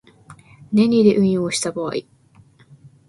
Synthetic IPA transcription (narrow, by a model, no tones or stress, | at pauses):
nẽ̞ɲʲid̪e̞ʔɯ̟̃ɰ̃joːɕi̥t̪aboa̰i